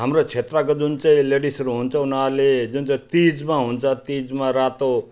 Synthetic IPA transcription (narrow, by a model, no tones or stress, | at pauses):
ɦəmɾot͡ʃʰet̪ɾakəd͡ʒunt͡ʃeleɖisɾuɦũnt͡ʃawnaled͡ʒunt͡ʃet̪id͡ʒmãɦũnt͡ʃat̪id͡ʒmãɾat̪o